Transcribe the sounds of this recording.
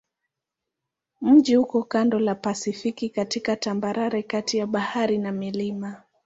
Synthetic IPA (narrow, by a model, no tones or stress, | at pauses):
m̩ʄihukɔkandɔlapasifikikatikatambaɾʔaɾɛkatijaɓahaɾinamilima